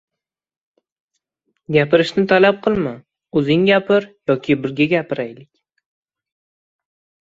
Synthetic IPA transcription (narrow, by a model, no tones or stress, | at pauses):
ɡʲapɪɾɪʃnɪt̪ʰalap̚qʰɨlˠma | ɵzɪŋɡʲapʰɪɾjɒkʲʰɪbɪɾɡʲaɡʲapɪɾajlɪkʲ